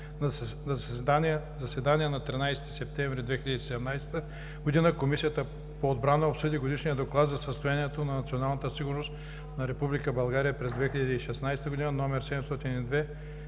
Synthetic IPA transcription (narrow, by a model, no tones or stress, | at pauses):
nɐani | zɐsvɛd̪aniɛnɐt̪ɾinajsɛ̥t̪i̥sɛp̚t̪ɛ̃ɱvɾid̪vɛxilʲəd̪isɛd̪ɛmnajst̪ə | ɡod̪inəkomisijət̪ə | poːd̪̚bɾanəopsɤd̪iɡod̪iʃnijəd̪oklˠad̪zɐsəst̪ojaniɛt̪onɐnɐt̪sionalˠnət̪əsiɡʊɾnost̪ | nɐɾɛpublikəbɐlˠɡaɾijəpɾɛzd̪vɛxilʲɐd̪iːʃɛsnajst̪əɡod̪inənɔmɛɾsɛd̪ɛmst̪ɔt̪inid̪vɛ